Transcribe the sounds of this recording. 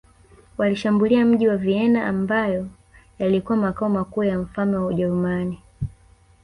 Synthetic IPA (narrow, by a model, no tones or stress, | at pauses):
waliʃambuliam̩ʄiwaviɛnaʔambajɔ | jalikuwamakaɔmakuːjam̩falmɛwauʄɛɾumani